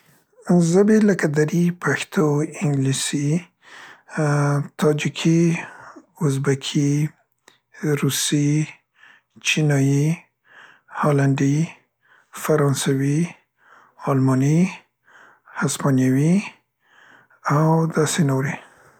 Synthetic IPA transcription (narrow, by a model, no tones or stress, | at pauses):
zabeləkad̪aɾipʰaxt̪ʰoɪŋɡlisi | t̪ʰɑd͡ʒikʰi | ʊzbakʰi | ɾusi | t͡ʃinɑji | hɑlaɳɖi | faɾɑnsawi | ɑlmɑni | haspɑnjawi | awd̪ɑsenoɾe